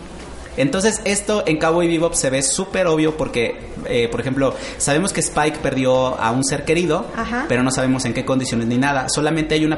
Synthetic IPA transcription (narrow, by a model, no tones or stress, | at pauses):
e̞nt̪o̞ns̬ese̞st̪o̞e̞ŋkaβoiβiβopse̞βe̞supe̞ɾo̞β̞jo̞po̞ɾke̞ | epoɾexe̞mplo̞ | saβe̞mo̞ske̞spajkpe̞ɾðjo̞a̰unse̞ɾke̞ɾiðo̞ahape̞ɾono̞saβe̞mo̞se̞ŋke̞ko̞nd̪isjo̞ne̞zninaðaso̞lamẽnt̪eajuna